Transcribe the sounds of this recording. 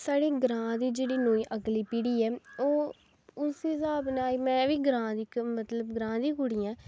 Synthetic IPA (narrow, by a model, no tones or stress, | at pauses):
saːɽiːɡɾãːd̪iːd͡ʒeːɽiːnoːiːʔəɡliːpiːɽiːɛːoː | ʊsiːsaːbneːaːiːmɛ̃ːʋiːɡɾãːd̪iːkmət̪ləbɡɾãːd̪iːkʊɽiːãː